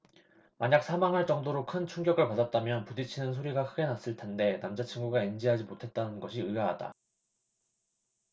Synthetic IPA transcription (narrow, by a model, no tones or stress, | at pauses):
maɲak̚sʰamaŋɯɭt͡ɕʌŋdoɾokʰɯnt͡ɕʰuŋɡjʌɡɯɭpadat̚t͈amjʌnpudit͡ɕʰinɯnsʰoɾiɡakʰɯɡe̞nas͈ɯɭtʰe̞nde̞namd͡ʑat͡ɕʰiŋɡuɡaind͡ʑiɦad͡ʑimotʰe̞t̚t͈anɯnɡʌɕʰiɯaɦada̰